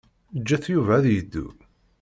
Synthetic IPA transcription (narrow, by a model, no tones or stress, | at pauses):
d͡ʒːæθjuvææðjəd̪ːṵ